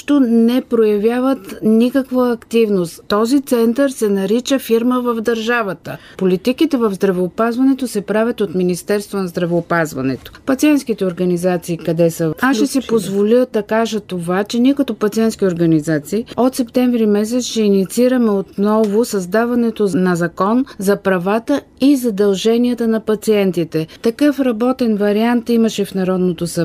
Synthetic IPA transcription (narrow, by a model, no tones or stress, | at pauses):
ʃt̪onɛpɾojɐvjavət̪nikəkvəːkt̪ivnost̪ːɔzit̪sɛnt̪əɾsɛnɐɾit͡ʃəfiɾməvɐvd̪ɐɾʒavət̪ə̰polit̪ikit̪ɛvɐvzd̪ɾɐvɛopazvɐnɛt̪osɛpɾavʲɐt̪ot̪minist̪ɛɾst̪vonɐzd̪ɾɐvɛopazvɐ̰nɛ̰t̪o̥pɐt̪siɛnt̪sk̟it̪ɛoɾɡɐnizat̪siːkɐd̪ɛsəaʃɛsipozvolʲilˠd̪ɐkaʒət̪ovat͡ʃɛniɛkɐt̪ɔpɐt̪siɛnsk̟ʲioɾɡɐnizat̪siːɔt̪sɛpt̪ɛɱvɾimɛs̬ɛt̪sʃɛinit̪siiɾəmɛot̪nɔvosɐzd̪avɐnɛt̪onɐzɐkɔnzɐpɾɐvat̪ə | izɐd̪ɐlˠʒɛniɐt̪ənɐpɐt̪siɛnt̪it̪ɛt̪ɐkɤfɾɐbɔt̪ɛnvɐɾiant̪imɐʃɛfnɐɾɔd̪not̪osɐ